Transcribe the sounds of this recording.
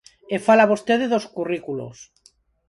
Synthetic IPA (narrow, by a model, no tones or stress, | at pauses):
efalaβost̪eðeðoskurikulo̰s